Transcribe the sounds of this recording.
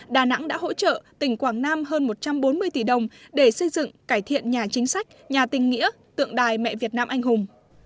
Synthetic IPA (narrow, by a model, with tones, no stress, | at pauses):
ɗaː˨˩na̰˧˥ŋɗa̰ː˧˥ɦo̰˧˥t͡ɕə̰ː˧˨t̪ï˧˩ŋ̟kwaː˧˩ŋnaː˧mɦəː˧nmo˨˩t̚t͡ɕa˧mɓo˨˦nmɨ˧əjt̪i˧˩ɗə˨˩wŋ͡mɗe˧˩sə˧jzɨ̰˧˨ŋkaː˧˩jt̪ʰḭ˧˨ənɲaː˨˩t͡ɕï˨˦ŋ̟sa˦˥jk̟̚ɲaː˨˩t̪ï˨˩ŋ̟ŋḭ˧˥ə | t̪ɨ̰˧˨əŋɗaː˨˩jmɛ̰˧˨vi˨˩ət̚naː˧mʔa˧jŋ̟hʊ˨˩ŋ͡m